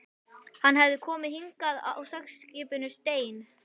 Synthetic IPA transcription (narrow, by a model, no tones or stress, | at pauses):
hanɦɛvðɪkʰɔːmɪðhiŋkaða̰wsɛksːcɪːpʏnʏst̪eːjn